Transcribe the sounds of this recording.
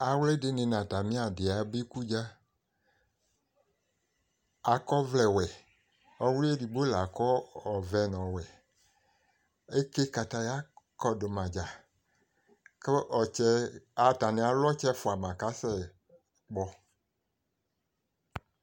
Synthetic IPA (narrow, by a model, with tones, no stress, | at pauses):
a˨wle˦de˨nẽ˨nã˨ta˨mĩ˦a˨de˨a˨be˦ku˦d͡ʒa˦ | a˨kɔ˦vlɛ˨wɛ˨ | ɔ˦wli˦e˦di˨bo˦la˨kɔ˦ɔ˨vɛ˨nɔ̃˨wɛ˨ | e˦ke˦ka˨t̪a˨˦ja˦kɔ˦do˨mã˨d͡ʒa˨ | ke˦ʔɔ˨t͡ʃɛ˦a˨ta˨nẽ˨a˨lɔ˦t͡ʃɛ˦fo˨a˨mã˨ka˦sɛ˦ | k͡pɔ˨